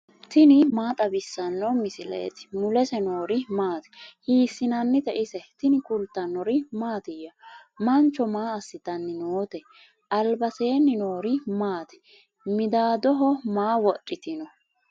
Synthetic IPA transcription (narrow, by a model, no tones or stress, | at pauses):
t̪ɪnɪmaːt̪ʼɐbɪsːɐnːɔmɪsɪlḛːt̪ɪ̥mʊlɛsɛno̞ːɾɪmaːt̪ɛ̥hiːsːɪnɐnːɪt̪ɛʔɪsɛt̪ɪnɪkʊlt̪ːɐnːɔɾɪmaːt̪ɪjɐmɐnt͡ʃːɔmaːɐsːɪt̪ɐnːɪnoːt̪ɛ | ʔɐlbɐse̞ːnːɪno̞ːɾɪmaːt̪ɛ̥ | mɪd̪aːd̪ɔɦɔmaːwɔᶑʼɪt̪ɪnɔ